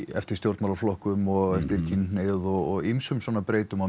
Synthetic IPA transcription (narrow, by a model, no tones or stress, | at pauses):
ɛ̰ft̪ɪɾ̥st̪jowɾt̪mawlaflɔhkʏmɔɣɛft̪ɪɾ̥cʰinneðɔɣɔɣimsʏmswɔːnapɾeːjt̪ʏma